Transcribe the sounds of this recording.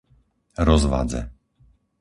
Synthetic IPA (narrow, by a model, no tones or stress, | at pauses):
ɾɔzʋa̰d͡zɛ̰